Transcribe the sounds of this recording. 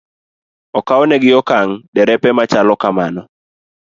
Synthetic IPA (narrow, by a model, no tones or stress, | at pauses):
ɔkaɔnɛɡɪɔkaŋdɛɾɛpɛmat͡ʃalɔkamanɔ